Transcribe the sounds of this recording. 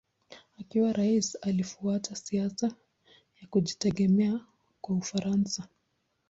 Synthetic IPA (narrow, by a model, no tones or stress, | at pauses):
akiwaɾʔaisalifuatʰasiasa | jakuʄitɛɡɛmɛa | kwaufaɾansa